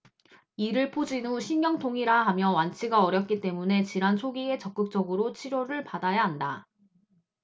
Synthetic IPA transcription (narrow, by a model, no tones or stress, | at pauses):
iɾɯɭpʰod͡ʑinuɕʰinɡjʌŋtʰoŋiɾaɦamjʌwant͡ɕʰiɡaʌɾjʌp̚k͈it͈e̞mune̞t͡ɕiɾansʰoɡie̞t͡ɕʌp̚k͈ɯk̚t͡ɕ͈ʌɡɯɾot͡ɕʰiɾoɾɯɭpadajaɦanda